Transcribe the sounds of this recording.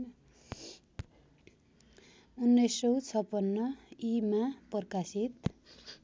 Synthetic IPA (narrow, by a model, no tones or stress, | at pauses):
unːʌjsːʌwt͡sʰʌpːʌnːʌimapʌrkasit̪